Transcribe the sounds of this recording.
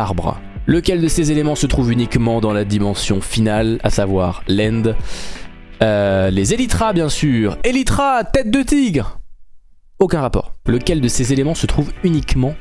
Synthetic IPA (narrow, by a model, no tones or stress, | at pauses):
ʁbʁ | ləkʲɛld̪əsezelemɑ̃sət̪χuvynikmɑ̃d̪ɑ̃lad̪imɑ̃sjɔ̰̃finala̰savwaʁlɛ̃nd̪ | ølezelit̪χabjɛ̃syːʁelit̪χat̪ɛt̪̚d̪ət̪iɡʁ | okʲɛ̃ʁapɔ̰ːʁləkʲɛld̪əsezelemɑ̃sət̪χuvynikmɑ̃